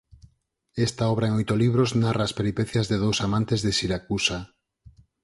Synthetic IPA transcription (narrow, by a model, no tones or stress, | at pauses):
est̪aɔβɾaeŋojt̪oliβ̞ɾoznaraːspeɾipeθjazðeð̞owsamãnt̪ezðesiɾakusa